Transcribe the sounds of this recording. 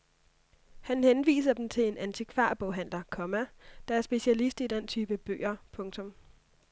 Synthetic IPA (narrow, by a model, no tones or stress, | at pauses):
hænhenʋḭːs̬ɐd̥m̩t͡sʰe̝le̝nænt͡sʰikʰʋɑ̈ːb̥ɔʊɦæn̰lɐkʰɒ̽mæd̥ɑ̈æɐsb̥e̝ɕælisd̥id̥ent͡sʰyːb̥əb̥ø̰ːɐpʰɔ̽ŋt͡sʰɔ̽m